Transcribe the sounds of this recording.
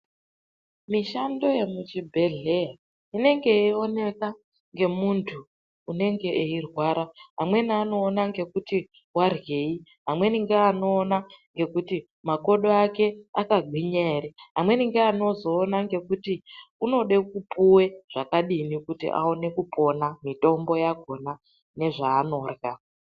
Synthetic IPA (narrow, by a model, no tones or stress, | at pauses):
miʃando̞je̞mut͡ʃibʱeɮe̞ja | ine̞ŋɡe̞io̞ne̞ka | ŋɡe̞muntʰuː | ne̞ŋɡe̞ʔeirwaːɾaɦamwe̞niano̞ːnaŋɡe̞kuti | warwe̞ːiɦamwe̞niŋɡeano̞ːnaŋɡe̞kuti | mako̞ɗoake̞akaɡʱwiɲe̞ɾeɦamwe̞niŋɡeano̞zo̞ːnaŋɡe̞kutiuno̞ɗe̞kupuwe̞ʐ̥akaɗinikutḭʔa̰one̞kupʰo̞namito̞mbo̞jaɡʱo̞na | ne̞ʐaːno̞ːrɣa